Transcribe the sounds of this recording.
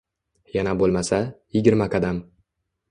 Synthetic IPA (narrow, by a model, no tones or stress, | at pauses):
janabolˠmasajɪɡʲɪɾmakʰad̪am